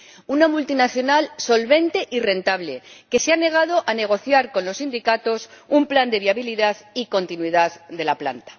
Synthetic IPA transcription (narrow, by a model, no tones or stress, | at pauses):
unamult̪inaθjo̞nalso̞lβe̞nt̪e̞ʔire̞nt̪aβle̞ke̞seane̞ɣ̞að̞o̞ʔane̞ɣ̞o̞θjaɾko̞nlo̞sːind̪ikat̪o̞sumpland̪e̞βiaβiliðaðiko̞nt̪inwiðaððe̞lapla̰nt̪ḁ